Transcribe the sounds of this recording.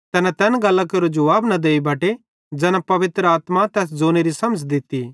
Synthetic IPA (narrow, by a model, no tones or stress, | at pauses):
t̪ɛːnat̪ɛːnɡɐlːãkɐɾod͡ʒɐʋaːbnɐd̪eːibʱɐːʈe | d͡ʒɛːnapɐʋɪt̪ɾəaːt̪mat̪ɛːs̬d͡zoːneɾisɐməd͡ʒd̪ɪt̪ːi